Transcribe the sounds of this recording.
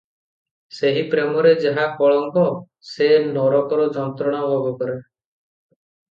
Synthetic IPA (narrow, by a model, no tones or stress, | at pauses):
seɦipɾemɔɾed͡ʒaɦakɔɭɔŋkɔ | senɔɾɔkɔɾɔd͡ʒɔnt̪ɾɔɽ̃aɦobɔkɔɾe